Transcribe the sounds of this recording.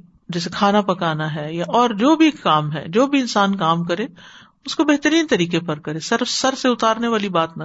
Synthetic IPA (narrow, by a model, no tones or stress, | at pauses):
d͡ʒɛːsekʰaːnapɐkaːnaɦɛjaʔɔːɾd͡ʒoːbʱikaːmɦɛ̰d͡ʒoːbʱiɪnsaːnkaːmkɐɾe | ʊskobɛɦt̪əɾiːnt̪ɐɾiːkepɐɾkɐɾesɐɾfsɐɾseʊt̪aːɾneʋaːlibaːt̪nɐ